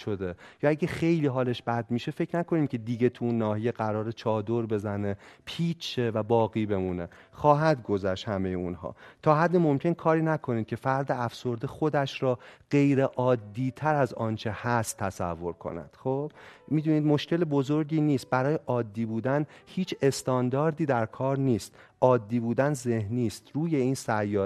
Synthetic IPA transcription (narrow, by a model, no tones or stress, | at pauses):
ʃod̪e̞jɒːæɟexe̞jliːɦɒːle̞ʃb̥æd̪miːʃe̞fe̞cʰnæko̞niːmcʲʰe̞d̪iːɟe̞t̪ʰuunːɒːhije̞ɢæɾɒːɾet͡ʃʰɒːd̪o̞ɾbe̞zæne̞pʰiːt͡ʃʰevæbɒːɣiːbe̞muːne̞ | xɒːɦæd̪ɡo̞zæʃt̪hæme̞jeunɦɒ̰ːt̪ʰɒːɦæd̪ːemo̞mcʰe̞nkʰɒːɾiːnækʰo̞niːd̪̚cʰe̞fæɾd̪eæfso̞ɾd̪exo̞d̪æʃɾɒːɢ̥e̞jɾeʔɒːd̪ːiːt̪ʰæɾæzɒːnt͡ʃʰe̞hæst̪ʰːæsæ̰vːo̞ɾkʰo̞̰næ̰d̪̥χob̥miːd̪uːniːd̪mo̞ʃce̞lebo̞zo̞ɾɟiːniːst̪̚bæɾɒːjeʔɒːd̪ːiːbuːd̪ænhiːt͡ʃʰe̞st̪ɒːnd̪ɒːɾd̪iːd̪æɾkʰɒːɾniːst̪ʔɒːd̪ːiːbuːd̪ænze̞hniːst̪ɾuːje̞iːnsæjːɒː